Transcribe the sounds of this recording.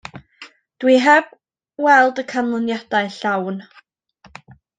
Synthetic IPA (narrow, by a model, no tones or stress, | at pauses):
d̥wiɦɛb̥ | wɛlˠdəkʰanlˠənjad̥aɨɬawn